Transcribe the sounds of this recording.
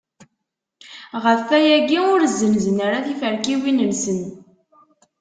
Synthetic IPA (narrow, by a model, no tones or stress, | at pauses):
ʁəfːæjæɡiʊɾzːənzənəɾaθifəɾkiwinəlsən